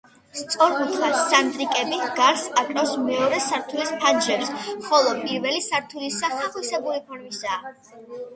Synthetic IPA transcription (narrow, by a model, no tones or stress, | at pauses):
st̪sʼɔɾbut̪ʰχasːand̪ʼɾikʼɛbiɡaɾsakʼɾafsmɛɔɾɛsaɾt̪ʰulispʰad͡ʒɾɛpsχɔlˠɔpʼiɾvɛlisaɾt̪ʰulisaχaχwisɛbuɾipʰɔɾmisaː